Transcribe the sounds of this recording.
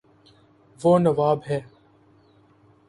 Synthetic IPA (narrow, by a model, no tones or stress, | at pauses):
ʋoːnəʋaːbɦɛː